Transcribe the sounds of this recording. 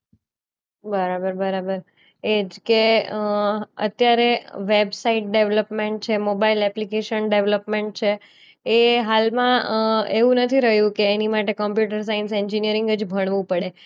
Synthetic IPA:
bəɾabəɾbəɾabəɾ | ed͡ʒke | ə̰t̪jaɾeʋebsaiʈ̚ɖeʋləpmẽɳʈ̚t͡ʃʰemobailɛplikeʃənɖeʋləpmẽɳʈ̚t͡ʃʰeː | ɦalmãeʋũnət̪ʰiɾəɦjũkeːnimaʈekəmpjuʈəɾs̬ainsɛɲd͡ʒinijəɾɪŋɡəd͡ʒbʱəɽ̃ʋũpəɽe

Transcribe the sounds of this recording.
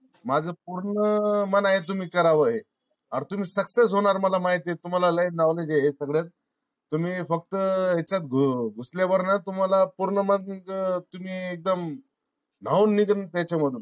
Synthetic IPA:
mad͡zʱəp̚uɾɳəmənaɦet̪̬um̤iːkəɾaʋəɦe | aɾt̪um̤iːsəksesɦoɽ̃aɾməlamaɦit̪et̪um̤alaləinaʋled͡ʑeɦesəɡɭjat̪̚ː | um̤iːfək̚t̪əɦet͡ɕat̪ɡʱuɡʱusljaʋəɾnat̪um̤alapuɾɳəmənt̪um̤iːek̚d̪əm | n̤auːnːid̪ənt̪jat͡ɕaməd̪ʱun

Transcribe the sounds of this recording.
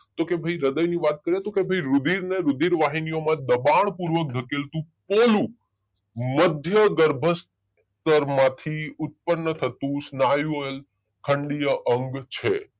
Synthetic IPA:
t̪okebʱəiɾəd̪əjniʋat̪̚kəɾiət̪õkebʱəiɾʊd̪iɾneɾʊd̪iɾʋaɦinijomãd̪əbaɳpuɾʋək̚d̪ʱəkelt̪ũpolũ | məd̪ʱjəɡəɾbʱəs | t̪əɾmãt̪ʰiʊt̪̚pənːət̪ʰət̪ũsnajũoel | kʰəɳɖijəʔəŋɡt͡ʃʰe

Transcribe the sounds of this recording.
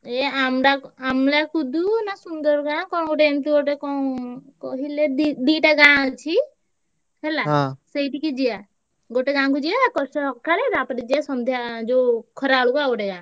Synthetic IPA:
ɛamɾaamlakud̪unasund̪ɔɾɡãkɔ̃ɡɔʈent̪uɡɔʈekɔkɔɦileid̪iʈaɡãt͡ʃʰi | hɛlãsejʈikid͡ʒija | ɡoʈeɡãkud͡ʒiakɔsɔɔkːaɾɛt̪apəʈɛd͡ʒiasɔnd̪ʱjad͡ʒɔkʰɔɾalukaɡɔʈɛɡã

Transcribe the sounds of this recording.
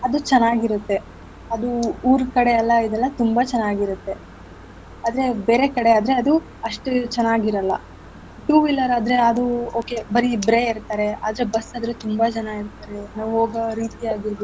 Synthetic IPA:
ɐd̪ut͡ʃɐnːaːɡiɾut̪ːe̞ | ɐd̪uːɾkɐɽeɛlːɐid̪ɛlːɐt̪umbɐt͡ʃɐnːaːɡiɾut̪ːe̞ | aːd̪ɐɾe̞be̞ːɾe̞kɐɽe̞aːd̪ɾe̞ɐd̪u | ɐʂʈut͡ʃɐnːaːɡiɾɐlːɐ̰ | ʈuːʋilːɐɾaːd̪ɐɾe̞ɐd̪uo̞ːke̞bɐɾibɾeːiɾt̪aːɾe̞a̰ːd̪ɐɾe̞bɐsːaːd̪ɾet̪umbɐt͡ʃɐnaiɾt̪aːɾenɐʋɦoːɡɐɾiːt̪iaːɡiɾbu

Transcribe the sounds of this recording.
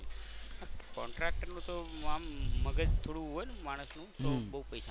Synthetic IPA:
akɔ̰ɳʈɾek̚ʈəɾnũt̪oamːəɡəd͡ʒt̪ʰoɽũɦojnmaɽ̃əsnũt̪obəɦupəjsa

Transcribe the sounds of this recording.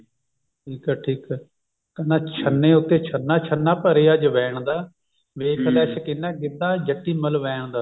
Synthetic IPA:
ʈʰiːkɛːʈʰiːkː | kənaːt͡ʃʰənːẽːʊt̪ːeːt͡ʃʰənːaːt͡ʃʰənːaːpəɾeːaːd͡ʒʋɛːɳ̃d̪aː | ʋeːkʰlɛːsəkɪnːãːɡɪd̪ãːd͡ʒəʈːiːməlʋɛːɳd̪aː

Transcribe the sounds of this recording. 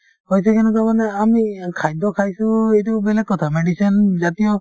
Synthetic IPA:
hojs̬ɛkɛnɛk̬amanɛamikʰajd̪ɔkʰajsũejtubɛlɛk̚kɔt̪ʰameɖisɔnzat̪iɔ

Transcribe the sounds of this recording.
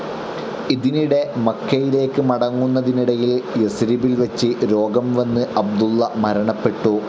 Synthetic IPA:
iðiniɽe̞mɐkʰːɐjile̞ːkːɨmɐɽɐŋːunːɐðiniɽɐjiljesɾibilʋɐt͡ɕːɨɾo̞ːɡɐmʋɐnːɨʔɐb̚d̪ulːɐmɐɾɐɳɐpːe̞ʈːu

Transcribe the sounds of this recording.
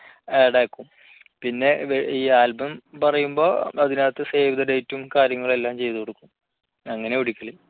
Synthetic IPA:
eɽaːkːum | pinːe̞iːaːlbɐmpɐrɐjumbo̞ːɐðinaːt̪ːɨse̞ːʋiðɐɖejtːumkaːɾjɐŋːɐɭe̞lːaːmt͡ɕe̞jt̪ukoɽukːum | ɐŋːɐne̞uɽikʲːɐli

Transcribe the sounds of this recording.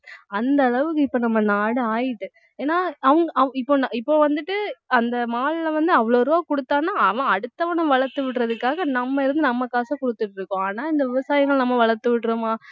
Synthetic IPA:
ɐnd̪ɐɐɭɐʋɯkːɯɪpːoːnɐmːɐnaːɽɯaːjɪʈːɯ | eːnaːɐʋɐŋɡɐɐɪpːoːnɪpːoːʋɐnd̪ɯʈːɯɐnd̪ɐmaːɭɪlɐʋɐnd̪ɯɐʋɐɭoːɾɯʋaːkɔɽɯt̪ːaːnːaːɐʋɐ̃ɐɽɯt̪ːɐʋɐnɐ̃mʋɐɭɐɾt̪ːɯʋɪʈːɾɐðɯkːaːɣɐnɐmːɐɪɾɯnd̪ɯnɐmːɐkaːsɐkʊɽɯt̪ːɯʈːɪɾɯkːʊ̃aːnaːɪnd̪ɐʋɪʋɐsaːjɪŋɣɐɭnɐmːɐʋɐɭɐɾt̪ːɯʋɪʈːɾomaː

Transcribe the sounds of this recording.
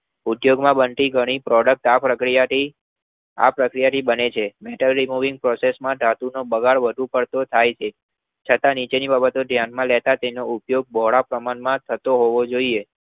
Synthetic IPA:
ud̪joɡmãbənʈ̪iɡʱəɽ̃ipɾɔɽək̚ʈapɾəkɾijaʈi | a̰pɾəkɾijaʈibənet͡ʃʰemɛʈəlɾimuʋɪ̃ŋɡ̚pɾɔsesmãd̪ʱat̪unobəɡaɭʋəd̪ʱũpəɽt̪ot̪ʰajt͡ʃʰe | t͡ʃʰət̪ãnit͡ʃenibabət̪od̪ʱjanmãlɛt̪at̪enoupjoɡ̚bʱɔɭapɾəmanmãt̪ʰət̪oɦoʋod͡ʒoie

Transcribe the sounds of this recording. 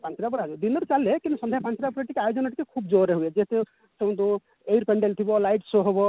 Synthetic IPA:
pant͡ʃɾapɔɾɦad͡ʒd̪inɔɾut͡ʃalekinusɔnd̪ʱjapant͡ʃɾapɔɾaʈikeajod͡ʒɔnaʈikekʰubd͡ʒoɾeɦued͡ʒeɦet̪e | sẽw̃t̪u | ejɾpeɳɖelt̪ʰibɔlajʈsoɦobɔ

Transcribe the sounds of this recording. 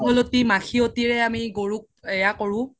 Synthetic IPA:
ɦɔlotimaxʰiotiɹɛamiɡoɹuk̚ | ɛjakoɹʊ̃

